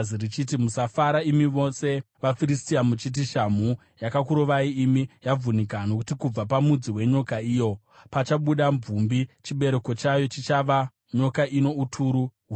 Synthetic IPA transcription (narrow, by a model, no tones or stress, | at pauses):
irit͡ʃit̬imusafaɾaimiʋo̞se̞ʋafiɾistiamut͡ʃit̬iʃam̤u | jakakuɾo̞ʋaiːmijavunikanoku̥tikub͡vapamud͡ziwe̞ɲo̞kaiːjo̞ | pat͡ʃaɓuɗamvumbit͡ʃiɓe̞ɾe̞ko̞t͡ʃajo̞t͡ʃit͡ʃaʋa | ɲo̞kaʔino̞utʰuɾuɦu